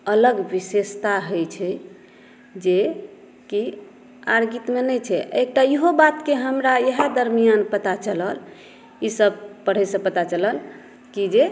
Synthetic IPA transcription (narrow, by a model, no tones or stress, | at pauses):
ələɡʋisest̪aɦəjt͡ʃʰɛ | d͡ʒe | ki | aɾɡit̪menəjt͡ʃʰɛek̚ʈaiɦobat̪keɦəmɾajəɦad̪əɾmijanpət̪at͡ʃələl | isəb̚pəɽ̤ɛsə̃pət̪at͡ʃələl | kid͡ʒe